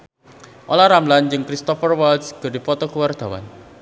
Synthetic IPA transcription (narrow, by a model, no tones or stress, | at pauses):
ʔolaɾamland͡ʒɨŋkɾist̪ɔfərwaldsɡ̥ɔ̤di̤pɔt̪ɔkuward̪̥a̤wa̰n